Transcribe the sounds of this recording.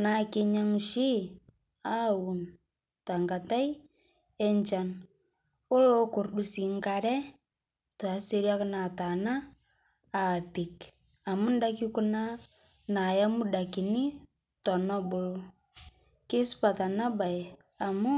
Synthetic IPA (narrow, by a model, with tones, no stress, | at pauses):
na˨˦kɪ˦ɲa˦ŋʃi˦ | a˦wu˨n | ta˨ŋɡa˨ta˦j | ɛ˦ɲt͡ʃa˨n | ʊ˦lo˦kʊ˨rdu˨si˨ŋka˨ɾɛ˦ | to˨a˨se˦ɾja˦kna˨ta˨naː˦˨ | pɪ˨k | a˨mʊ˦n˦da˦ki˦ku˦na˦ | na˨ja˦mu˦da˨ki˨ni˦ | tɔ˨nɔ˦bʊ˦lo˦ | kɪ˦spa˨ta˨na˦ba˨j | a˨mʊ˦